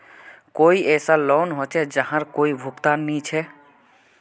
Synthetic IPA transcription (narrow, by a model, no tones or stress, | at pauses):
koːiʔɛːsaloːnɦot͡ʃʰɛd͡ʒəɦãɾkoːibʱʊkt̪aːnːit͡ʃʰɛ